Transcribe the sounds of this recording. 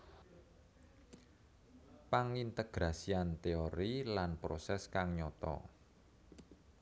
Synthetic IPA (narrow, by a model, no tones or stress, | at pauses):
paŋint̪eɡ̥ɾasiant̪eoɾilanpɾosɛskaŋɲɔt̪ɔ̰